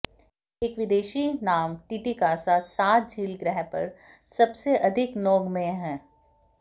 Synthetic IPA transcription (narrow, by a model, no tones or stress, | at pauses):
eːkʋɪd̪eːʃinaːmʈiːʈikaːsasaːt̪̚d͡ʒʱiːlɡɾɛɦpɐ̰ɾ | sɐbseʔɐd̪ʱɪknɔːɡmẽɦɛ̃ː